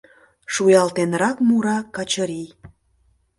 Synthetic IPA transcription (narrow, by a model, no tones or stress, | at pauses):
ʃujɑlt̪enɾɑkmuɾɑkɑt͡ɕəɾij